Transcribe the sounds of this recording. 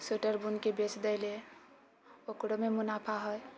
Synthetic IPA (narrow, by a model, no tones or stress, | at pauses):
suʈəɾbunkebet͡ʃd̪əle | okɽomemunapʰaɦəj